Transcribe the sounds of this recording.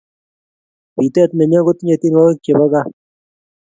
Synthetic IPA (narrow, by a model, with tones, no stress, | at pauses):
pi˨t̪ɛ˦˨t̪nɛ˨ɲa˦ɡʊ˦t̪ɲe˨t̪i˦ŋɔ˦ke˨ba˦ka˦